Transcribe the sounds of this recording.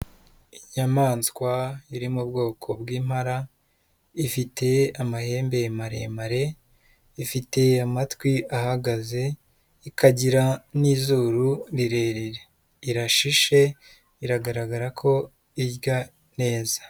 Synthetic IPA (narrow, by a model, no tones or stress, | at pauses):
iɲamaːnskwaiɾimubɡo̞ːkʰo̞bɡiːmhaɾa | ifite̞amahe̞ːmbe̞maɾḛmaɾe̞ | ifite̞amatwiahaɡaze̞ | ikaɟiɾaniːzuːɾuɾiɾe̞ɾeɾe | iɾaʃiʃe̞ | iɾaɡaɾaɡaɾakʰo̞ | iɾɟa | ne̞ːzḁ